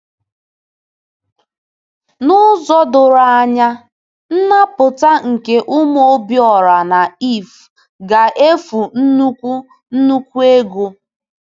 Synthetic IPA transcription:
nʊ˦zɔ˦dʊ˨ɾa˨˦˨ɲa˦ | n̩˦na˦pʊ˨ta˦ŋ̩˨ke˦ʔʊ˦m˦o˦bjɔ˨ɾa˨na˨i˦˨f | ɡa˨ʔe˦fu˨n̩˦nu˦kʷu˦ | n̩˦nu˦kʷu˦e˦ɡu˦

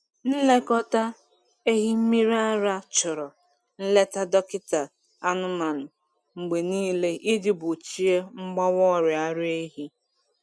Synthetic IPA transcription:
n̩˦le˦kɔ˦ta˦ | e˦ɦi˦m̩˦mi˦ɾa˦ɾa˦t͡ʃʊ˨ɾɔ˨ | n̩˦le˦ta˦dɔ˦kɪ˦ta˨ | a˦nʊ˦ma˨nʊ˨ | ŋ͡m̩˨ɡ͡be˨niː˦le˦ʔi˦di˦bʊ˨t͡ʃi˦e˦ŋ͡m̩˦ɡ͡bɔ˦wɔ˦˨ɾɪ˨a˦ɾe˦ɦi˦

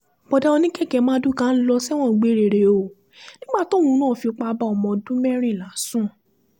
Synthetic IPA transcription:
b̥ɔ˨da˧o˧nĩ˦kɛ˦˨kɛ˨˧˦mãː˦du˦kã˦n̩˦lɔ˧sɛ˦w̃ɔ̃˦˨˦ɡ͡be˨˦˨ɾe˨ɾe˨o˨ | nĩ˦ɡ͡ba˦˨tɔo˦wũ˨˦nãː˦˨fi˧o˧k͡pa˧˦ba˦ɔ˧mɔ̃˧dũ˦mɛ˦ɾ̃ĩ˦˨la˨˦sũ˦˨

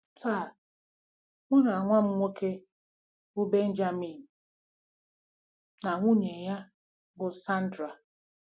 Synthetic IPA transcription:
taː˦˨ | ŋʷʊ˦ɾa˨ŋʷa˦m̩˦ŋʷo˦kʰe˦ | ʊ˦be˦n̩˦d͡ʒa˦mi˨n̩˨ | na˨ŋʷu˦ɲe˨ja˦ | ɡʊ˨sa˦n̩˦dɾa˨

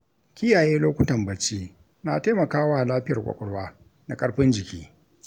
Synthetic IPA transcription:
kʲɪ˦jaː˨jeː˦loː˦kʷʊ˦tɐ˨mbɐ˨t͡ʃi˦ | na˨taː˦mɐ˨kaː˦waː˦˨laː˦ɸɪ˦jɐ˨kʷʼɐ̰˨kʼɔ˦ɽwaː˦ | na˨kʼɐ˦ɽɸɪ˦nd͡ʒɪ˨kʲiː˦

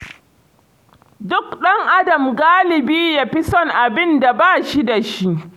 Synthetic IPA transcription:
dʊ˦kɗɐ˦ŋʔa˦dɐ˨mɡaː˦lɪ˨biː˦ja˦ɸi˦sɔ˦ŋʔa˨bɪ˦nda˨baː˦˨ʃi˦da˨ʃi˦ʔ

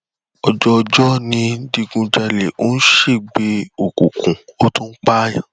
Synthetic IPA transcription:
ɔ˧d͡ʒɔ˧d͡ʒɔ˦nĩ˧˦di˧ɡũ˧d͡ʒa˧le˨o˨˦n̩˦ʃe˦˨ɡ͡be˨˦o˨ku˨kũ˨o˦tũ˦n̩˦k͡pa˦ja˨

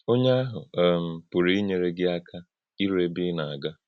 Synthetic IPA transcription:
o˦ɲe˦a˦ɦʊ˨˦m̩˨pʊ˨ɾi˨˦i˦ɲe˨ɾe˦ɡɪ˦a˦kʰa˦ | i˦ɾe˦bi˦na˨a˨ɡa˦

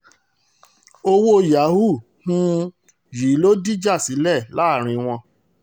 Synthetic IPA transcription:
o˧wo˦˧ja˨˦hu˦˨ | hũ˦ | ji˨˦lo˦di˦d͡ʒa˦˨si˨˦lɛ˦˨la˦˨ɾ̃ĩ˧w̃ɔ̃˧

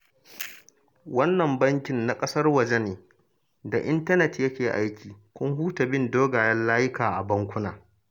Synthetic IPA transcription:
wɐ˦nːɐ˨mbɐ˦ŋkʲɪ˨nːa˨kʼɐ˦sɐ˦rwɐ˨d͡ʒɛ˦neː˨ | da˨ʔɪ˦ntɐ˦nɛ˨tjɐ˦kʲeː˨ʔa˦jkʲʰiː˨kʷʊ˦ŋɦuː˦ta˨bɪ˦˨ndoː˦ɡaː˨jɐ˦nlaː˦jɪ˦kaː˨ʔa˨bɐ˦ŋkʷʊ˦naː˨

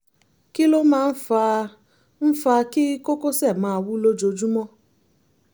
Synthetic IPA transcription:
ki˦lo˦mãː˦˧n̩˦fa˧ | n̩˦fa˧ki˦ko˦ko˦sɛ˦˨mãː˨˦˧wu˦lo˦d͡ʒo˧d͡ʒu˦mɔ̃˦

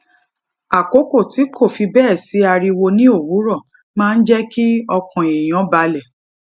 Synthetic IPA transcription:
a˨ko˨˦ko˦˨ti˨˦kʰo˦˨fi˧bɛː˦˨si˨˦a˧ɾi˧wo˧nĩ˦o˦˨wu˨˦ɾɔ̃˦˨ | mãː˦˧n̩˦d͡ʒɛ˦ki˦ɔ˧kɔ̃˨e˨j̃ɔ̃˨˦ba˧lɛ˨

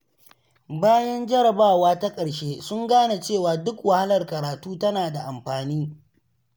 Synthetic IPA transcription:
baː˦jɐ˦nd͡ʒɐ˦ɾɐ˨baː˦˨waː˦ta˦kʼɐ˨ɽʃeː˦sʊ˦ŋɡaː˦na˨t͡ʃeː˦˨waː˨dʊ˦kwɐ˨ha˦lɐ˨rkɐ˨ɾaː˨tuː˦tɐ˦naː˨da˨ʔa˨mɸaː˨niː˦

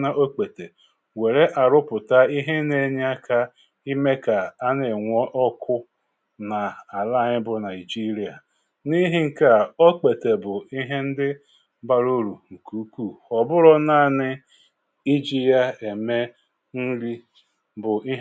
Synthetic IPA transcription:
na˦ʔo˦k͡pe˨te˨ | we˨ɾe˦ʔa˨ɾʊ˦pʊ˨ta˦i˦ɦe˦ne˨ɲ˦a˦kʰa˦ | i˦me˦ka˨a˦ne˨ŋʷɔ˦ʔɔ˦kʰʊ˦ | na˨a˨la˦˨ɲɪ˦bʊ˨na˨i˨d͡ʒi˦ɾi˨a˨ | ni˦ɦi˦ŋ̩˨ka˨o˦k͡pe˨te˨bʊ˨i˦ɦe˦n̩˦dɪ˦ | ba˨ɾo˦ɾu˨ŋ̩˨ku˨˦ku˦˨ɔ˨bʊ˦ɾɔ˦na˦˨nɪ˦ | i˦d͡ʒi˦ja˦e˨me˦ | n̩˦ɾi˦ | bʊ˨ʔi˦

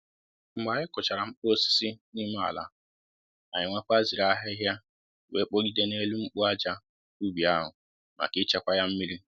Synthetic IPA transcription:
ŋ͡m̩˦ɡ͡ba˨ɲɪ˦kʊ˨t͡ʃa˨ɾa˨ŋ͡m̩˦k͡po˦o˦si̥˦si˦ni˦ma˦a̰˨la̰˦ | a˨ɲɪ˨ŋʷa˦k͡pa˦zi˨ɾa˦ɦɪ˦ɦja˦˨ | we˦k͡po˦ɡi˦de˦ne˦lu˦ŋ͡m̩˦k͡pʊ˦a˦d͡ʒa˦ | u˦bi˨a˦ɦʊ˨ | ma̰˨kɪ˦t͡ʃe˦kʷa˦ja˦m̩˦mi˦ɾi˦

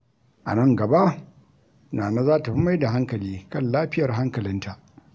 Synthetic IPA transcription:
ʔa̰˨nɐ˦ŋɡɐ˨ba˦ʔ | naː˨na˦zaː˦ta˨ɸi˦ma˦jda˨ɦa˦ŋkɐ˨liː˦kɐ˦˨nlaː˦ɸɪ˦jɐ˨rɦa˦ŋkɐ˨lɪ˦ntʰa˨ʔ

